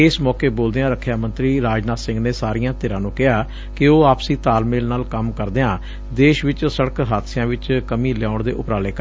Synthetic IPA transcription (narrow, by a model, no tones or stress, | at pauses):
eːsmɔːkeːboːld̪eãːɾəkʰːjaːmə̃nt̪ɾiːɾaːd͡ʒnaːsɪ̃ŋɡneːsaːɾɪjãːt̪ɪːɾãːnũːkɪɦaː | kɪoːaːpsĩːt̪aːlmeːlnaːlkəmkəɾd̪eːãː | d̪eːʃʋɪt͡ʃsəɽəkɦaːt̪sɪjãːʋɪt͡ʃkəmĩːlaːʊɳd̪eːʔʊpɾaːleːkəɾ